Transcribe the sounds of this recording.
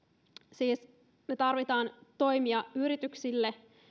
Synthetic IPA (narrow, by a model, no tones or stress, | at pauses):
siːs | net̪ɑrʋit̪ɑːnt̪o̞jmiɑyɾit̪yksilːe̞